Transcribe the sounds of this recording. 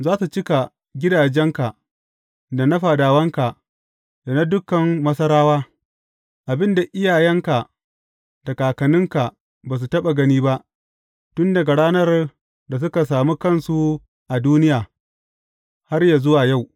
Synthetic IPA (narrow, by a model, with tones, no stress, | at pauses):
zaː˦su˨t͡ʃɪ˦ka˨ | ɡʲɪ˦daː˨d͡ʒɛ˦ŋka˨ʔ | da˨nɐ˦ɸa˨daː˨wɐ˦ŋka˨ | da˨na˦dʊ˦kɐ˨mmɐ˦sɐ˦ɾaː˦waː˦ | ʔa˨bɪ˦nda˨ʔɪ˦jaː˨jɛ˦ŋka˨ʔ | da˨kaː˨kɐ˨nɪ˦ŋka˨ | baː˨s̬u˨tɐ˦ɓa˨ɡɐ˦niː˦ba˦ʔ | tʊ˦nda˨ɡa˨ɽaː˦nɐ˦r | da˨s̬ʊ˦ka˨s̬aː˨muː˦kɐ˦nsu˨ | ʔa˨duː˦nɪ˦jaː˨ | ha˦rjaː˨zʊ˦waː˨ja˦˨w